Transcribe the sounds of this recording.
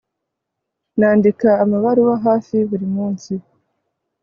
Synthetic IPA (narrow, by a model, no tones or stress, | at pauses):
naːndikaːmaβaɾuwaɦaːfiβuɾimuːnsi